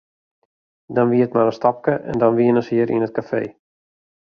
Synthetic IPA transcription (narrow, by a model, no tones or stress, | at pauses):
dɔnʋiətmaɾəstɔp̚kəʔɛ̰ndɔnʋiənəshiəɾʔinət̚kafḛː